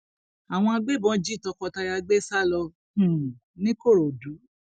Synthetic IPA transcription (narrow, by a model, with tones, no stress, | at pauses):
a˨w̃ɔ̃˧a˧ɡ͡be˦˨bɔ̃˨˦d͡ʒi˦˨tɔ˧kɔ˧ta˧ja˧ɡ͡be˦sa˦lɔ˧ | h̩˨ | nĩ˦ko˦˨ɾo˨du˨˦